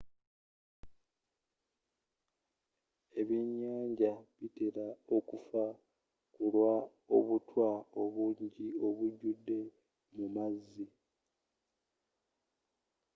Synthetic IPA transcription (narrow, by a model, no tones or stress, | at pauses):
e̞βiɲːaːɲɟaβiteɾao̞kufa | kulwa | o̞̰βutʰwao̞βuːɲɟio̞βuɟudːe̞ | mumazːi